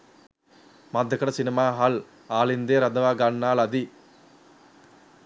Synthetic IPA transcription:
mɐd̪ʱːɐkɐɽɐsinimaːɦɐl | aːlind̪eːɾɐd̪ɐʋaːɡaɳːaːlɐd̪i

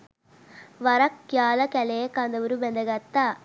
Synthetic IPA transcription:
ʋɐɾɐkːjaːlɐkɐleːkːaːnd̪ɐʋuɾubɛnd̪ɐɡɐt̪ːaː

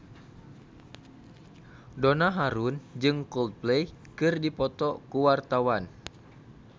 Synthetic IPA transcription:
donaɦaɾund͡ʒɨŋkɔld̪̚plejkɨrdipɔt̪ɔkuwart̪awan

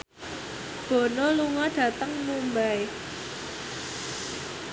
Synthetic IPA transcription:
b̥o̤noluŋɔɖ̥ä̤t̪əŋmumbaj

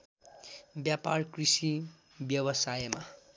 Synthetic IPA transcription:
bjaparkrisi | bjʌbʌsajma

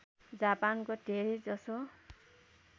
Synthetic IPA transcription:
d͡zapankodʱeɾid͡zʌso

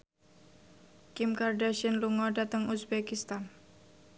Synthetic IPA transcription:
kɪmkardaʃənluŋɔdat̪əŋusbekist̪an

